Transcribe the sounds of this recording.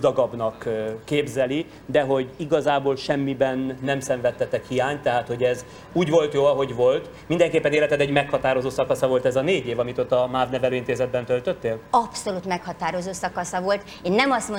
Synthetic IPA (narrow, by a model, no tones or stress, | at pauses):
d̪ɒɡɒbnɒkːeːbzɛli | d̪ɛɦo̞ɟiɡɒzaːboːlʃɛmːibɛnːɛmsɛɱvɛt̪ːɛt̪ɛkhijaːɲt̪ɛɦaːt̪ho̞ɟɛz | uːɟvo̞lt̪joːɒɦo̞ɟvo̞lt̪ | mind̪ɛŋkeːpːɛneːlɛt̪ɛd̪ɛɟmɛkhɒt̪aːɾo̞zoːsɒkɒsɒvo̞lt̪ɛzɒneːɟeːvɒmit̪o̞t̪ːɒmaːvnɛvɛløːint̪eːzɛd̪̚bɛnt̪ølt̪øt̪ːeːlɒpso̞lut̪mɛkhɒt̪aːɾo̞zoːsɒkɒsɒvo̞lt̪ | eːnːɛmɒst̪mo